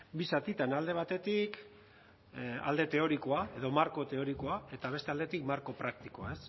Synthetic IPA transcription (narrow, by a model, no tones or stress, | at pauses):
bisat̪it̪anald̪e̞β̞at̪e̞t̪ik | a̰ld̪e̞t̪e̞o̞ɾikoae̞ðo̞maɾko̞t̪e̞o̞ɾikoae̞t̪aβ̞e̞st̪e̞ald̪e̞t̪ikmaɾko̞pɾak̚t̪ikoae̞s